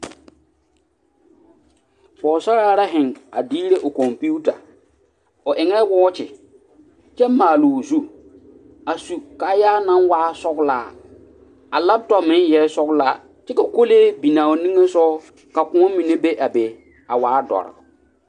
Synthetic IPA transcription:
fɔː˨sa˦ɾaː˦ɾa˦ɦɪ˨ŋa̰˨diː˦ɾe˦ʔʊ˨kɔ˨mpi˦u˦ta̰˨ | ʊ˨ʔɪ˨ŋɛ˦wɔː˦t͡ʃɪ˨ | t͡ʃɛ˦maː˨lu˨zu˦ | a˨su˨ka˨˦jaː˦na˦nwaː˦sɔ˦ɡlaː˦ | a˨la˦b̚tɔ˨pmɪ˦njɛ˨˦sɔ˦ɡlaː˦ | t͡ʃɛ˦ka˨ko˦leː˦bi˨nãː˨o˨nĩ˦ŋe˦sɔː˦ | ka˨kʊ̃˨˦ɔ˦mi˨ne˦be˦ʔa˨be˨ | a˨waː˦dɔ̰˨ɾɪ̰˨

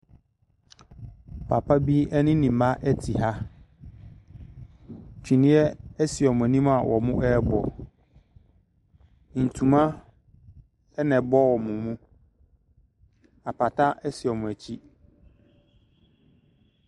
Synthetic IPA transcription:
pʰa̰˨pʰa˦bi˦ɛ˦nɪ̃˦nĩ˨mã˦ʔɛ˦tʰi˨ɦa˦ | t͡ɕʰᶣĩ˨nĩ˦ɛ˦ɛ˦sɪ˨ɔ˨mʊ̃˨æ˨nĩ˦m˦a˨wʔɔ̰˨mʊ̃˦ʔɛ˦bɔ˨ | n̩˨tʰũ˨mã˦ | ɛ˦nɛ̃˨bɔ˦wɔ˨mũ˨mũ˦ | a˨pʰa˨tʰa˦ʔɛ˦sɪ˨ɔ˨mʊ̃˨æ˨t͡ɕʰi˦

